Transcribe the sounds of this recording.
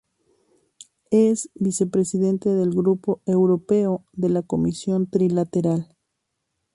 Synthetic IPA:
e̞sbise̞pɾe̞siðe̞nt̪e̞ðe̞lɡɾupo̞e̞wɾo̞pe̞oðe̞lako̞misjo̞nt̪ɾilat̪e̞ɾal

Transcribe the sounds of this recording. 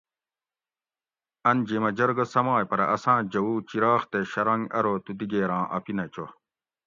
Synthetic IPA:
ɐnd͡ʑimɐd͡ʑɐɾɡɐsɐmaːjpɐɾɐʔɐsãːd͡ʑɐwuːt͡ɕiɾaːxt̪eɕɐɾɐŋɡɐ̰ɾoːt̪ud̪iɡeːɾãːʔɐ̰pinɐt͡ɕo

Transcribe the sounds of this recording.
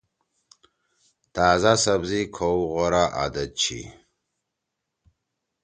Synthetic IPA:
t̪aːzasɐbzikʰouʁɔɾaʔa̰d̪ɐt͡ɕʰḭ

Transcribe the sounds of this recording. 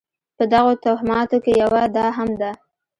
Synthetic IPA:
pəd̪aɣot̪aɦɪmɑt̪okejawad̪ɑɦamd̪a

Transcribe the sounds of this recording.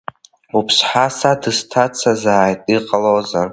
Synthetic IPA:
upʰsħasadɨztʰat͡sʰazaːjtʼiqʼalozar

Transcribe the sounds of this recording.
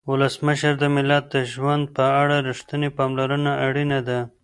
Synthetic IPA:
wʊləsməʃəɾd̪əmɪlat̪̚d̪əʒwand̪̚pəaɽaɾɪʂt̪ənepɑmlaɾənaʔaɽinad̪a

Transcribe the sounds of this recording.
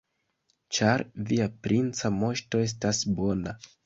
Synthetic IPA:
t͡ʃaɾviapɾint͡samo̞ʃto̞e̞s̬tasbo̞na

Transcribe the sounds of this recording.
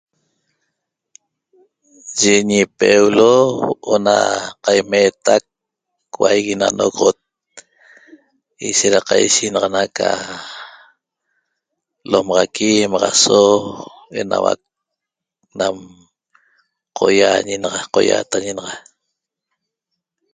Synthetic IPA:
ʒeɲipewloʔonaqajmet̪ak̚ | wajɣinanoɣʁot̪̚ | iʃeɾaqajʃinɑʁɑnaka | lomɑʁɑkimɑʁɑso | e̞nawa̰k̚ | nam | qʰo̰jaɲenɑʁɑqojaːt̪aɲenɑʁɑ

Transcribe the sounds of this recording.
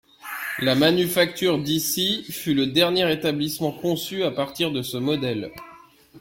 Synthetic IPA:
lamanyfak̚t̪ʰyʁd̪isifyləd̪ɛʁnjeʁet̪ablismɑ̃kɔ̃syapaʁt̪iʁd̪əsəmɔd̪ɛl

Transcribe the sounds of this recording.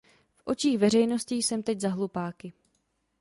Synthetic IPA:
fʔo̞t͡ʃiːxvɛr̝ɛjno̞sciːsɛmt̪ɛczaɦlupaːkɪ

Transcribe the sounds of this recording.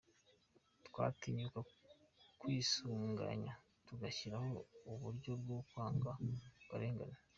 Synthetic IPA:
twa̰ːtiɲuka | kwiːsuːŋɡa̰ɲa | tuɡaçiɾaho̞uβuɾɟo̞bɡokwaːŋɡawaɾe̞ːŋɡa̰na

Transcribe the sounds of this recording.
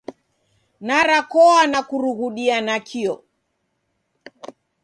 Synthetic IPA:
naɾakɔanakuɾuɣuɗianakʰiɔ

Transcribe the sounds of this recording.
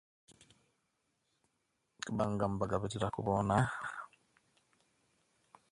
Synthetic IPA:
kbaŋɡambaɡabetiɾakṵbɔna

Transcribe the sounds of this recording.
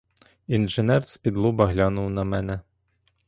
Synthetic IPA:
inʒenɛrspʲid̪lˠubɐɦlʲɑnʊwnɐmɛnɛ

